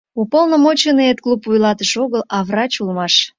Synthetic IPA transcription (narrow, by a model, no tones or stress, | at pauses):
upolˠnəmot͡ɕenɨet̪̚klˠupujlɑt̪əʃoɣəlɑvrɑt͡ɕulmɑʃ